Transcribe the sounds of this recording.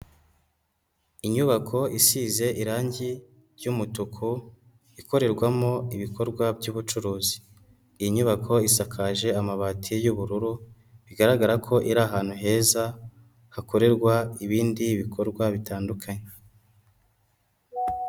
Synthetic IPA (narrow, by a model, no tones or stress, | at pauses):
iɲuβakʰo̞isiːze̞ʔiɾaːɲɟi | ɾjumutukʰu | iko̞ɾe̞ɾɡwamo̞iβiko̞ɾɡwabɟuːβut͡ʃuɾuːzi̥ː | jiɲuβakʰo̞isakʰaʒe̞amaβatʰijuβuɾuɾu | βiɡaɾaɡaɾakʰo̞ʔiɾaːɦaːn̥huɦe̞ːza | hako̞ɾe̞ɾɡwaiβiːndiːβikʰo̞ɾɡwaβitaːndukʰaɲe